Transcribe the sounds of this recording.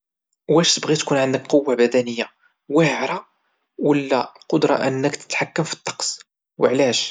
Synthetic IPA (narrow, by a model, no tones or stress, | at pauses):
wæʃt̪əbɣit̪kunʕənd̪əkqowːabæd̪ænəjːa | wəhʕɾˤɑ | wəlːæqʊd̪ɾˤɑ̰ʔənːəkt̪ə̥t̪ħakːəmfi̥t̪ˤːɑ̥qs | wəʕlæʃ